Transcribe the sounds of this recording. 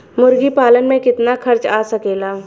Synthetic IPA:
mʊɾɡipaːlənmẽkɪt̪naxʰɐɾt͡ʃaːsɐkeːlaː

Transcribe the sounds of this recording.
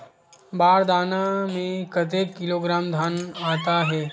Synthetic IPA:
baːɾd̪aːnamẽkɐt̪̬eːkːɪloːɡɾaːmd̪ʱaːnaːt̪aɦɛː

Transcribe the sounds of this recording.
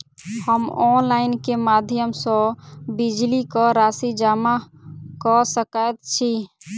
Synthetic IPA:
həmɔnlaɪnkemad̪ʱjəmsɔ̃bid͡ʒlikɔɾasid͡ʒama | kɔsəkət̪̚t͡ʃʰi

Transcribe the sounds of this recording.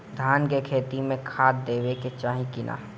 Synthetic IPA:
d̪ʱaːnkekʰeːt̪imẽkʰaːt̪̚d̪eːʋeket͡ʃaːɦĩkɪna̰ː

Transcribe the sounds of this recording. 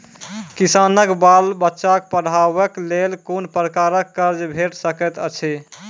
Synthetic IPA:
kisanəkbalbətːʃak̚pəɽ̤aʋəklelkonpɾəkaɾəkːəɾd͡ʒbʱeʈsəkɛt̪ət͡ʃʰi

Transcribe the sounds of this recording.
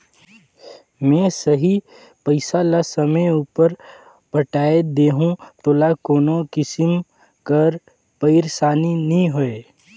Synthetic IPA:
mɛ̃ːsɐɦi | pəɪsalasɐməjuːpəɾ | pəʈaːed̪eːɦũt̪oːlakoːnokɪsɪm | kəɾ | pəɪɾsaːninĩɦoeː

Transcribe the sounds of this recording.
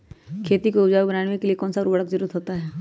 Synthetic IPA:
kʰeːt̪ikoʊd͡ʒaːbɾaːnmekeliekɔːnsaɾuːbəɽəkzɐɾuɾət̪ɦoːt̪aɦɛː

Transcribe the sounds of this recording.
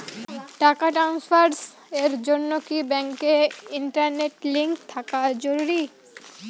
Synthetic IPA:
ʈakaʈɾansfaɾs | eɾd͡ʑonːokibɛŋkeiɳʈaɾneʈliŋk̚t̪ʰakad͡ʑoɾuɾi

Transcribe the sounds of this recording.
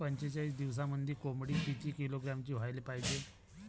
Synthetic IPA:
pəɲt͡ɕet͡ɕaiːs̬d̪iʋs̬aməd̪ʱːikomɽiːpit͡ɕiːkiloɡɾamt͡ɕiːʋ̤ajlepaid͡ʑe

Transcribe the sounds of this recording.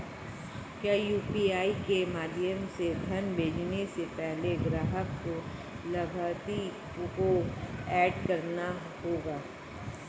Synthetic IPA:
kjaːjuːpiaːikemaːd̪ʱjəmsed̪ʱənbʱeːd͡ʒnesepɛɦleɡɾaːɦəkːo | lɐbʱaːt̪i | koɛːɖkɐɾna | ɦoːɡaː

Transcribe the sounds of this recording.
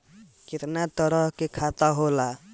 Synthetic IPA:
ket̪nat̪əɾəɦkekʰat̪aɦola

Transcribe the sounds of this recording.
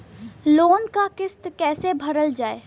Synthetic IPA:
loːnkakɪst̪kɛːsebʱɐɾəld͡ʒaːeː

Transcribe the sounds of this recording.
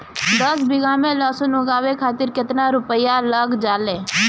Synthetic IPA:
d̪əsbɪɡaːmẽlaːsʊnʊ̃ɡaːwekʰaːt̪ɪɾkɪt̪naɾʊpəjaləɡd͡ʒaːlẽː

